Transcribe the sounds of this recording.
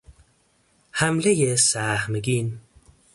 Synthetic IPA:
hamlejesaːhmɡin

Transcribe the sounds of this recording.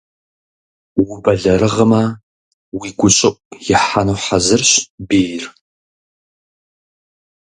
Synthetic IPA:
wʊbɐɮɐɾɨʁəmɐ | wiːɡʷʊɕʼɪʔʷʼjɪħanuːħazɨrɕbiːjr

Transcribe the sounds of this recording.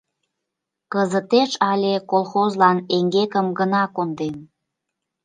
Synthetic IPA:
kəzət̪eʃɑlʲekolˠxozlɑneŋɡekəmɡənɑkond̪em

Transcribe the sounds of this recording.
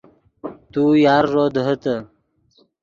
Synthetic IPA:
t̪ujɑːɾːod̪ɦət̪ə

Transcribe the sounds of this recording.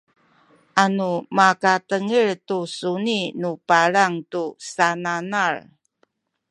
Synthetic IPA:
ʔanumakatəŋəɭtusuninupaɾaŋtusananar

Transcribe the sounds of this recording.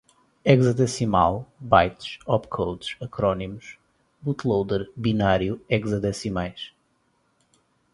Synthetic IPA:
ɛɡzɐd̪ɛsima̰lˠbajt̪ʃɔpkʰowd̪ʃɐkɾɔnimuʃ | but̪lˠowd̪ɛɾbinaɾjuɛɡzɐd̪ɛsimajʃ

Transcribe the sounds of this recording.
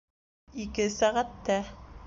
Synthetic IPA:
ikɘsæʁæt̪ːæ

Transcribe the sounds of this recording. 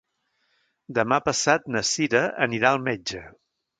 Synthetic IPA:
d̪əmapəsat̪̚nəsiɾəəniɾaəlˠmed͡ʒə

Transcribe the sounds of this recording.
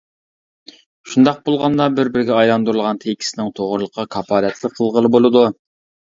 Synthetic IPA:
ʃund̪ɑq̚bolˠʁɑnd̪ɑbɪɾbɪɾɡʲɛɑjlˠɑnd̪uɾulˠʁɑnt̪ʰekʲʰi̥sɪnɪŋt̪ʰoʁʊɾlˠəqʰːɑkʰɑpʰɑːlɛt̪lɪqʰːəlˠʁəlˠɨbolˠɨd̪u

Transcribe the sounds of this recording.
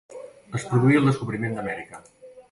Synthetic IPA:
əspɾuðuiəlˠd̪əskuβɾimend̪əmɛɾikə

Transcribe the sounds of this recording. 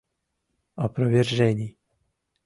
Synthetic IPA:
ɔpɾɔvjɛrʒɛɲiː

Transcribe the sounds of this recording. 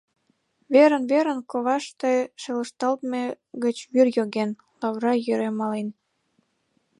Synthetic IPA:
βeɾənβeɾə̆nkoβɑʃt̪eʃeləʃt̪ɑlt̪me | ɣət͡ɕβyrjoɣen | lɑβrɑjøɾemɑlen

